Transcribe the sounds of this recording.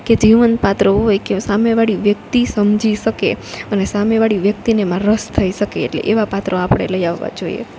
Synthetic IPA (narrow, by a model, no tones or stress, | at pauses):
ked͡ʒiʋənpat̪ɾəɦojkesameʋaɽiʋjək̚t̪isəmd͡ʒʱiʃəkḛənesameʋaɽiʋjək̚t̪inemãɾəst̪ʰəiʃəkḛːʈlḛʔeʋapat̪ɾəapəɳ̃ḛləjaʋːa̰d͡ʒoḭḛ